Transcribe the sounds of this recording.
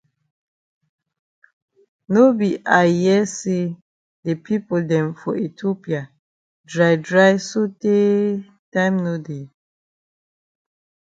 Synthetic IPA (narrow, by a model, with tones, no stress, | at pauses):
no˦bi˨ʔa˨jɛ˦se˦ | de˨pʰi˦po˨ldɛ̃˨mfɔ˨e˨tʰo˦pi˨a˨ | dɹa˨jdɹa˦jso˦te˦ | tã˦ɪmno˦de˨